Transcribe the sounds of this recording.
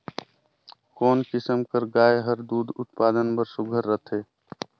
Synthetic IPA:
koːnkɪsəmkəɾɡaːjɦəɾd̪uːd̪ʱʊt̪̚paːd̪ənbəɾsʊɡʱəɾːət̪ʰeː

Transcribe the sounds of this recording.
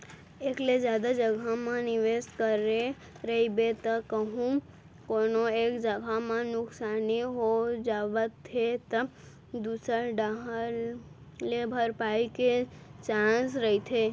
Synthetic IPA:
eːkled͡ʒjaːd̪ad͡ʒəɡʱamãnɪʋeːskəɾe | ɾəɦibet̪əkəɦũ | koːnoeːkd͡ʒəɡʱamãnʊksaːniɦod͡ʒaːʋət̪ʰːet̪ə | d̪uːsəɾɖaɦ | lebʱəɾpaːiket͡ʃãːsɾəit̪ʰe

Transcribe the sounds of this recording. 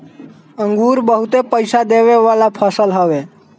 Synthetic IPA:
ə̃ŋɡuːɾbəɦut̪epəjsad̪eʋeʋalapʰəsəlɦəʋe

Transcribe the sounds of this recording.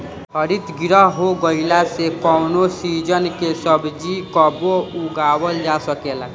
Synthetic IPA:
ɦəɾit̪ɡiɾəɦɦoɡəilasekɔʊnosid͡ʒənkesəbd͡ʒikəbouɡawəld͡ʒasəkela

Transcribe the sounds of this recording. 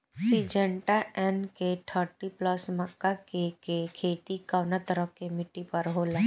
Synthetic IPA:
sid͡ʒəɳʈaɛnkeʈ̪ʰəɾʈiplɐsməkːakekekʰeːt̪ikaʋnat̪əɾəkemɪʈːipɐɾɦoːla

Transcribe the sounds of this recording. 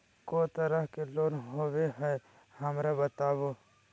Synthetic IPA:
koːt̪əɾəɦkeloːnɦoːweɦɛ | hɐmɾabət̪aːbo

